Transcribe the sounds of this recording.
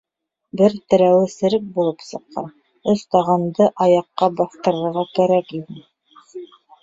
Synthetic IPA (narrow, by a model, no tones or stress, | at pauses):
bɘɾt̪ɘ̆ɾæwɘ̆sɘ̆ɾɘk̚bulˠɤpsɤ̆qːɑ̰n | ɵst̪ɑʁɑnd̪ɤʔɑjɑqːɑbɑθt̪ɤ̆ɾɤ̆ɾʁɑkæɾækinɘ